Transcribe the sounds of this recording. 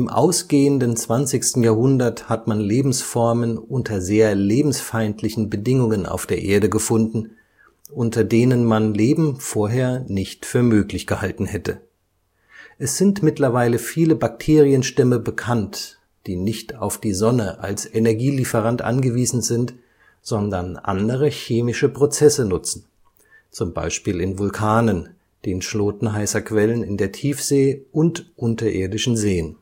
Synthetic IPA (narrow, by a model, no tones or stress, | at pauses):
ʔɪmʔa̰ʊsɡ̥eːəndənt͡sv̥ant͡sɪçstn̩jaːɐhʊndɐthatmanleːbm̩sfɔɐmənʔʊntʰɐzeːɐleːbm̩sfaɪntʰlɪçn̩bədɪŋʊŋənʔa̰ʊfd̥eːɐʔeːɐɾəɡəfʊndn̩ | ʔʊntɐdeːnənmanleːbm̩foːɐɦeːɐnɪçtfyːɐmøːklɪçɡ̥əhaltn̩hɛtə | ʔɛsz̥ɪntmɪtlɐvaɪləfiːləbak̚tʰeːʁiənʃtɛməbəkʰant | d̥iːnɪçtaʊfd̥iːzɔnəʔa̰lsʔɛnɛɐɡiːlifəʁantʔa̰nɡəviːzn̩zɪnt | z̥ɔndɐnʔa̰ndəʁ̞əçeːmɪʃəpʁ̥ot͡sɛsənʊt͡sn̩ | t͡sʊmba̰ɪʃpiːlɪnvʊlkʰaːnən | d̥eːnʃloːtn̩ɦaɪsɐkv̥ɛlənɪndeːɐtʰiːfz̥eːʔʊntʔʊntɐʔḛːɐdɪʃn̩zeːən